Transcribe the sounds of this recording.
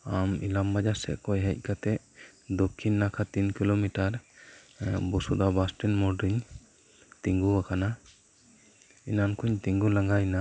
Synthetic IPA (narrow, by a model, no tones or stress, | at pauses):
amḭlambad͡ʒasɛ̰ʔkɔjɦəc̚ˀkat̪ɛʔ | d̪ɔkʰːinːakʰat̪inkilomiʈaɾ | bɔsud̪abasʈinmɔɾɖiɲ | t̪iŋɡuakana | inankʰuɲt̪iŋɡulaŋɡajna